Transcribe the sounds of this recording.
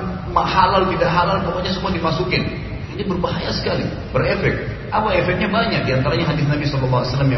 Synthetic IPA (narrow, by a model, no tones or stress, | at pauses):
maʔhalalt̪idaʔɦalalkokaɲas̬əmuadimasukɪn | inibərbaɦajasə̥kalḭ | bərefɛk̚ | ʔapaefɛk̚ɲabaɲak̚diant̪aɾaɲaɦadɪθnabisɔlɔlːɑɦaasalːamja